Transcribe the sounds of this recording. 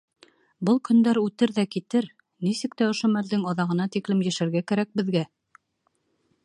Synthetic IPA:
bɤlˠkɵ̆nd̪æɾʉt̪ɘɾðækit̪ɘɾ | nisɘk̚t̪æŏʃomæld̪ɘŋɑðɑʁɤ̆nɑt̪iklɘmjæ̆ʃæɾɡækæɾæk̚bɘ̆ðɡæ

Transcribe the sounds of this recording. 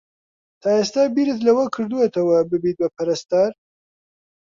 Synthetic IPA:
t̪ʰaːeːst̪aːbiːɾɨt̪lɐwɐkʰɨɾd̪uwɐt̪ʰɐwɐbɨbiːt̪̚bɐpʰɐɾɐst̪aɾ

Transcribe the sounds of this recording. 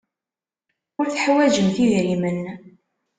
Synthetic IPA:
ʊɾθəħwæd͡ʒəmθiðɾimən

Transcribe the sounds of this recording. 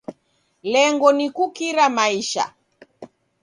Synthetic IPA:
lɛŋɡɔnikukiɾamaiʃa̰

